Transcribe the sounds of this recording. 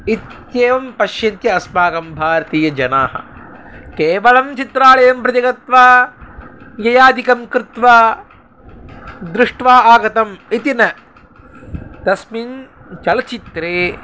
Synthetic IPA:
it̪ | jeːʋɐmpɐʃjɐnt̪jɐːsmaːɡɐmbʱaːɾɐt̪iːjɐd͡ʒɐnaːɦɐ̰keːʋɐɭɐmt͡ʃit̪ɾaːɭɐjɐmpɾɐt̪iɡɐt̪ʋaː | jɐjaːd̪ikɐmkɾɪt̪ʋaː | d̪ɾɪʂʈʋaːaːɡɐt̪ɐmit̪inɐ | t̪ɐsmin | t͡ʃɐlɐt͡ʃit̪ɾeː

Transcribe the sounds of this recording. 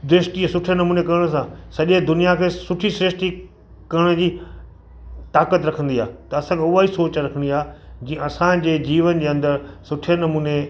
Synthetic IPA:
d̪ɾɪʂʈisʊʈʰenɐmuːnekɐɾəɽ̃s̬ãsɐʄed̪ʊnijakʰeːsʊʈʰisɾɪʃʈi | kɐɾəɽ̃ə̆d͡ʑiː | t̪aːkət̪ɾɐkʰə̃nd̪iaːt̪ɐɐsãkʰeʊʋaisoːt͡ɕɾɐkʰə̃nd̪iaːd͡ʑĩːɐsãd͡ʑeːd͡ʑiːʋənd͡ʑeːɐ̃nd̪əɾsʊʈʰenɐmuːne

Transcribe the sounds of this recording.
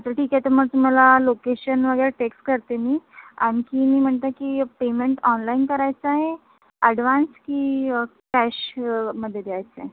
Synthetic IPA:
at̪əʈʰiːkat̪əməɡ̚t̪um̤alalokeɕənʋəɡəjɾeʈeksʈkəɾt̪emiːañikiːmiːm̤əɳt̪akiːpemeɳʈɔnlainkəɾajt͡səaɦe | əɽʋanskiːkæɕməd̪ʱːjed̪ʱeajt͡səɦe

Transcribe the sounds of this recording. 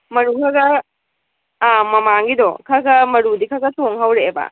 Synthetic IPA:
mɐɾukʰaɡɐ | amɐmaŋɡidɔkʰaɡɐmɐɾudikʰaɡɐtʰoŋɦawɾeːba̰

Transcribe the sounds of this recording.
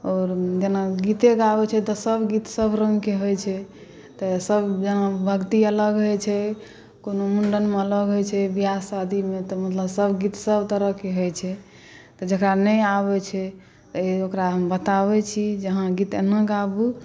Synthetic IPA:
ɔːɾd͡ʒənaɡit̪eɡabɛt͡ʃʰɛt̪ɔsəbɡit̪səbʱɾəŋɡkeɦojt͡ʃʰɛ | t̪ɔsəbd͡ʒəɦãbʱəkt̪iələɡɦojt͡ʃʰɛ | konomuɳɖənmeələɡɦojt͡ʃʰɛbijaad̪ʱimet̪ɔmət̪ləbsəbʱɡit̪səbt̪əɾəɦkeɦojt͡ʃʰɛ | t̪ɔd͡ʒəkɾanɛjaβɛt͡ʃʰɛ | t̪ɔeokɾaɦəmbət̪aβɛt͡ʃʰid͡ʒəɦãɡit̪enəɡabu

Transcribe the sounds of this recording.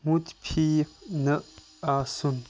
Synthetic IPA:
mut̪pʰinəʔ | asun

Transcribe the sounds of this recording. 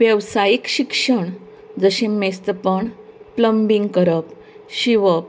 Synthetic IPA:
ʋjəʋsajikɕikʂəɳ | d͡zəɕẽmest̪əpəɳpləmbiŋɡkəɾəp | ɕiʋəp̚

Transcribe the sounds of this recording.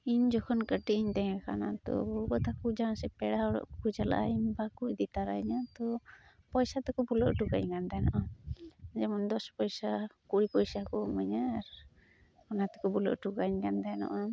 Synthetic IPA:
iɲd͡ʒɔkʰɔnkəʈiʔɲd̪ɛŋkʰana̰t̪ɔ̰ɔbɔt̪akud͡ʒansɛpɛɽaɔɾɔ̰ʔkud͡ʒala̰ʔaiɲbakuʔd̪it̪aɾajɲat̪ɔ | pɔjsat̪ɛkɔbulɔʔʈuka̰ɲkand̪ajnɔ̰ʔa | d͡ʒɛmɔnd̪ɔspɔjsakuɽipɔjsakɔmaɲaɾ | kɔnat̪ɔ̥kɔbulɔ̰ʔʈuɡaɲkand̪anɔ̰ʔa

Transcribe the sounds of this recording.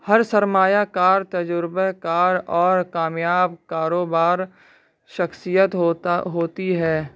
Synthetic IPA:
hɐɾsəɾmaːjakaːɾt̪əd͡ʒʊɾbekaːɾɔːɾkaːmjaːbkaːɾoːbaːɾ | ʃəxsijət̪ɦoɦoːt̪iɦɛː

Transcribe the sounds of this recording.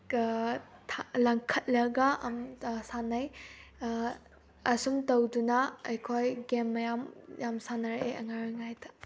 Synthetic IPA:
tʰalɐŋkʰɐt̚lɐɡɐmsanɐj | ɐsumtɐwdunɐɐjkʰojɡemːɐjamjamsanɐɾɐʔeʔɐŋajɾojŋajtʰɐ̥

